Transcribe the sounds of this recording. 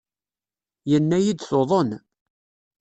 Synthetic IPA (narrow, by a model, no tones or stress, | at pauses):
jənːæjid̪θoðˤən